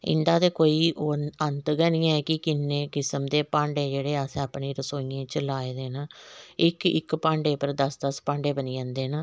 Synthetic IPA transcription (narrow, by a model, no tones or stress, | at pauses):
ɪ̰nd̪aːt̪eːkoːiːonənt̪ɡənĩːɛːkɪkɪnːẽːkɪsəmd̪eːpãːɳɖeːd͡ʒeːɽeːasẽapɳeːɾəsoːiːãːt͡ʃəlaːeːd̪eːnaːɪkɪ̰kpãːɳɖeːpəɾd̪əsd̪əspãːɳɖeːbəniːd͡ʒãːnd̪eːnaː